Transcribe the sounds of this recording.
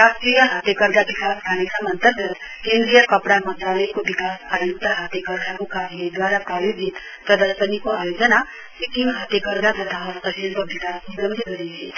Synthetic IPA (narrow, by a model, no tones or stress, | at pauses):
ɾasʈɾijəɦat̪jekəɾɡ̪aʋikasɡʰʱanesamənt̪əɾɡət̪kẽnd̪ɾijəkəpɽamənt̪ɾaləikoʋikasajuk̚t̪əɦat̪jekəɾɡ̪ʱakokaɾned̪ʋaɾapɾajoɡʱit̪ | pɾəd̪əɾʃənikoajod͡ʒəna | sikiŋɡɦat̪jekəɾɡ̪ʱadət̪ʰaɦɔɾt̪əʃelkoʋikasuləmd̪ʱəɡəɽiɦe